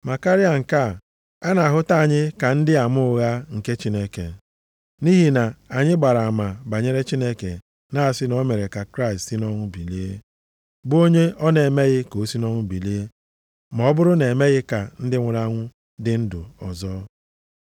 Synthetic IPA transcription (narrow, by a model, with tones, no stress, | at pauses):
ma˨ka˦ɾi˦a˨ŋ̩˨ka˦˨ | a˦na˨a˨ɦʊ˦ta˦a˨ɲɪ˦ka˨n̩˦dɪ˦a˨mʊ˦ɣa˦ŋ̩˨ke˦t͡ʃi˦ne˦kḛ˨ | ni˦ɦi˦na˨a˨ɲɪ˦ɡ͡ba˨ɾa˨a˨ma˨ba˨ɲe˦ɾe˦t͡ʃi˦ne˦kḛ˨ | na˦a˨sɪ˦nɔ˦me˨ɾe˨ka˨kɾa˦ɪ˨stsi˦nɔ˦ŋʷʊ˦bi˨le˦ | bo˦ɲe˦ʔɔ˦ne˨e˨me˦ɣɪ˦ko˨˦si˦nɔ˦ŋʷʊ˦bi˨le˦e˦ | m˨ɔ˨˦bʊ˦ɾʊ˦ne˨me˦ɣɪ˦ka˨n̩˦dɪ˦ŋʷʊ˨ɾa˦ŋʷʊ˦ | dɪ˦n̩˦dʊ̰˨ɔ̰˨zɔː˦